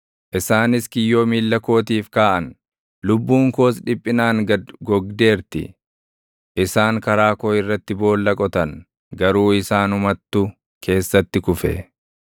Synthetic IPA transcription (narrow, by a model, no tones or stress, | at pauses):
ʔɪsaːnɪskɪjːo̞ːmiːlːɐko̞ːt̪iːfkaːʔɐn | lʊbːuːŋko̞ːsᶑɪpʼːɪnaːŋɐɡɔɡd̪e̞ːɾt̪ɪ̰ | ʔɪsaːŋkɐɾaːkoːɪrːɐt̪ːɪbo̞ːlːɐkʼɔt̪ɐn | ɡɐɾuːɪsaːnʊmɐt̪ːʊ | kʰe̞ːsːɐt̪ːɪkʊfɛ̰